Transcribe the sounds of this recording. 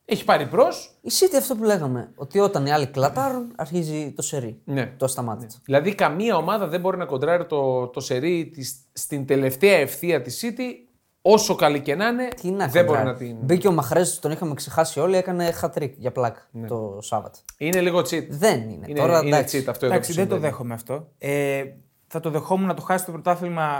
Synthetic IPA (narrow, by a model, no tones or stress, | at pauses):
eçi̥pɐɾipɾo̞sisit̪iɐft̪o̞pule̞ɣɐme̞o̞t̪io̞t̪ɐniɐliklɐt̪ɐɾunɐɾçizit̪o̞se̞ɾinet̪oɐst̪ɐmɐt̪it͡sɐ̥ðilɐðikɐmiɐo̞mɐðɐðe̞mbo̞ɾinɐko̞nd̪ɾɐɾit̪o̞t̪o̞se̞ɾit̪is | st̪ind̪e̞le̞ft̪eɐe̞fθiɐt̪isit̪i | o̞so̞kɐlice̞nɐne̞cinɐkðebo̞ɾinɐt̪inbiceomɐxɾest̪o̞nixɐmeksexɐsio̞liekɐne̞xɐt̪ɾikʝɐplɐkt̪osɐ̰vɐ̰t̪ineliɣot͡sit̪ðe̞nḭnḛinoɾɐd̪ɐt͡sit̪ɐft̪oed̪ɐksiðed̪oðexomeɐft̪o̞e | θɐt̪o̞ðe̞xo̞munɐt̪o̞xɐsist̪opɾot̪ɐfilmɐ